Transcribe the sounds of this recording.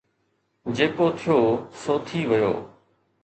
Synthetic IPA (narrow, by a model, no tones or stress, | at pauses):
d͡ʑeːkoːt̪ʰɪjoːsoːt̪ʰiːʋəjo̰ː